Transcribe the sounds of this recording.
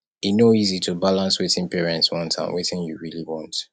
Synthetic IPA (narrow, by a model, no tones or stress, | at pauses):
inoizitʰubalãnswetɪ̃npɛɹɛ̃ntswɔ̃ntʰã̰mwetɪ̃njṵɹiliwɔ̃nt